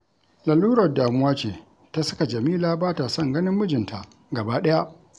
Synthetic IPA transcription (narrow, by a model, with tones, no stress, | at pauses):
la˨lːuː˦ɾɐ˨rdaː˨mʊ˦waː˦t͡ʃeː˨ | ta˦sɐ̥˦ka˨d͡ʒɐ˨miː˦laː˦baː˦ta˨sɐ˦˨ŋɡɐ˦nɪ˦mːʊ˦d͡ʒɪ˨ntʰa˨ʔ | ɡɐ˨baː˦ɗɐ˦ja˦ʔ